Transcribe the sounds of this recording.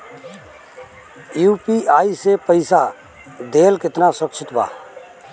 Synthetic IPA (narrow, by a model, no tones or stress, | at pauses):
juːpiaːisepəɪsa | d̪eːlkɪt̪nasəkt͡ʃʰɪt̪ba̰ː